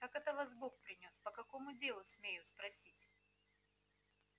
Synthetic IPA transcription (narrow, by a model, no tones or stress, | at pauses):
kakɛt̪əvazbokpɾʲɪnʲo̞spəkɐko̞mʊdʲe̞lˠʊsʲmʲejʊspɾɐsʲitʲ